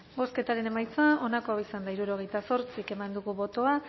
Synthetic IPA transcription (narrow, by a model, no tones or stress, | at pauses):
ɡo̞ske̞t̪aɾe̞ne̞majt͡soaʔo̞nako̞aisand̪aiɾuɾo̞ɣ̞e̞jt̪aso̞ɾt͡sike̞mand̪uɣuβo̞t̪o̞a